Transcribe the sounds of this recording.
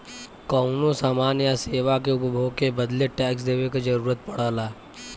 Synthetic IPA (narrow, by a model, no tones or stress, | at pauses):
kɔːnõsaːmaːnjaseːʋakeʊpbʱoːɡ̚kebɐd̪leʈɛːksd̪eːwekad͡ʒɐɾuːɾət̪̚pɐɽ̤aːlaː